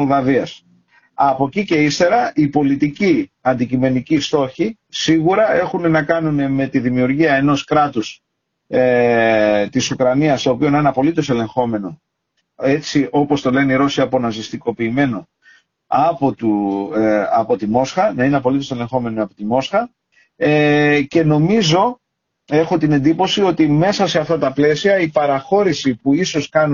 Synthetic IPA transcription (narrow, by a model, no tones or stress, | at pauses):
olðɐviɐs | ɐpo̞cice̞ist̪e̞ɾɐʔipo̞lit̪ici | ɐnd̪icime̞nicist̪o̞çi | siɣuɾɐe̞xune̞nɐkɐnune̞me̞t̪iðimiuɾʝiɐe̞no̞skɾɐt̪us | t̪isukɾɐniɐst̪opio̞nɐineɐpo̞lit̪o̞se̞le̞ŋxo̞me̞no̞ | e̞t͡siʔo̞po̞st̪o̞le̞neiɾo̞siɐpo̞nɐzist̪iko̞piːme̞no̞ | ɐpot̪u | ɐpo̞t̪imo̞sxɐnɐineɐpo̞lit̪o̞se̞le̞ŋxo̞me̞niɐpo̞t̪imo̞sxɐ | ce̞no̞mizo̞ | e̞xo̞t̪ine̞nd̪ipo̞sio̞t̪ime̞sɐseɐft̪ɐt̪ɐple̞siɐipɐɾɐxo̞ɾisipuiso̞skɐnu